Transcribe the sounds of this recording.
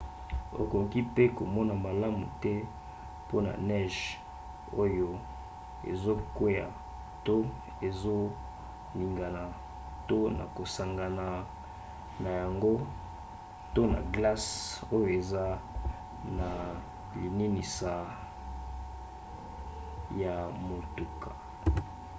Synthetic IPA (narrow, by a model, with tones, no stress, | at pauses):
o̰˨ko˨ki˦pe˦ko˨mɔ˦na˨ma˨la˦mṵ˨tɛ˦ | po˦na̰˨nɛ˦ʒ | o˦jo˦ | ḛ˨zo˦kwe˦ja̰˨ | to˦ | e˨zo˦ | li˨ŋɡa˨na˨ | to˦na̰˨ko˨sa˨ŋɡa˨na˨ | na˨ja˨ŋɡo˦ | to˦na̰˨ɡla˦so˦jo˨e˨za˦ | na˨ | li˨ni˦ni˨sa˨ | ja˨mo˨tu˨kʰḁ˨